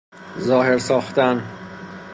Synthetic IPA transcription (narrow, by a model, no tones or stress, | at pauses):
zɒːhe̞ɾsɒːxt̪æn